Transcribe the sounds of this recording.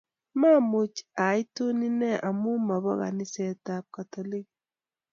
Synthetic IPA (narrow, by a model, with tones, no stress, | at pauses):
ma˦˨mu˨t͡ʃa˨i˦to˦ni˦nɛ˦ʔa˨mu˦ma˨bɔ˦ɣa̰˨ni˦sɛ˨ta˨p̚ka˨tɔ˨li˦k